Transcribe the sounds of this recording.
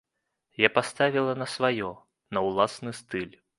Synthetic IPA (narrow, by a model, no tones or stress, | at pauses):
japast̪avʲilˠɐnɐsvajɔ | nɐwlˠasnɨst̪ɨlʲ